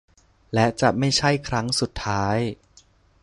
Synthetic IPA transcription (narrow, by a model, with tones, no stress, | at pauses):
lɛ˦˥t͡ɕa˨˩ma˥˩jt͡ɕʰa˥˩jkʰɾa˦˥ŋsu˨˩t̪ʰːaː˦˥j